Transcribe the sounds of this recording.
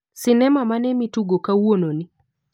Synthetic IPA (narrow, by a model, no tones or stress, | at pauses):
sɪnɛmamanɛmituɡokawononi